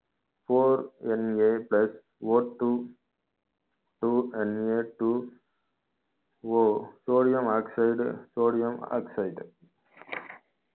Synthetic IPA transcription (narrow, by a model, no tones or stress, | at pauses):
foːɾɛneːplɐs | ʋoːʈu | ʈuɛneːʈu | ʋoːsoːɖɪjɐ̃maːksaɪɖsoːɽɪjɐma̰ːksaɪɖ